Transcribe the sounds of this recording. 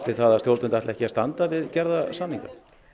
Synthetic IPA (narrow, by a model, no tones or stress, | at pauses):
t̪ɪθaðasjowlt̪ʏnt̪aht̪lɛhcɪast̪ant̪avɪðcɛɾðasanːiŋka̰